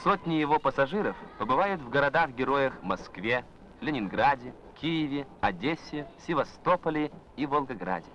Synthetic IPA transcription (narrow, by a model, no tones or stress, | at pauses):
sot̪ʲnʲɪjɪvopəsɐʐɨɾəfpəbɨvajʊt̪vɡəɾɐd̪axɡʲɪɾojəxmɐskvʲe | vlʲɪnʲɪnɡɾadʲɪ | kʲijɪvʲɪɐdʲesʲɪsʲɪvɐst̪opəlʲɪ | ivəlˠɡɐɡɾa̰dʲɪ